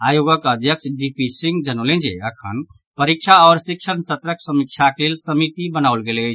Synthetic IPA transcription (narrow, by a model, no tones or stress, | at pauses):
ajoɡəkəd̪ʱjəkt͡ʃɖipʰisiŋɡd͡ʒənəlẽnd͡ʒḛəkʰə̰n | pəɾik̚t͡ʃʰaɔːɾsikʃəɾnsət̪ɾəksəmik̚t͡ʃʰaklelsəmit̪ibənaʊlɡelət͡ʃʰ